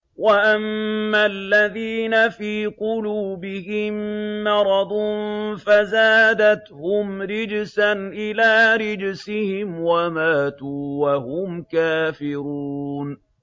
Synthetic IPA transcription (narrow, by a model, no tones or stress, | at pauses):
waʔamːalːaðiːnafiːqʊluːbɪhɪmːɑɾˤɑd̪ˤnfazaːd̪at̪hʊmɾɪd͡ʒsanʔɪlaːɾɪd͡ʒsɪhɪmwamaːt̪uːwahʊmkaːfɪɾuːn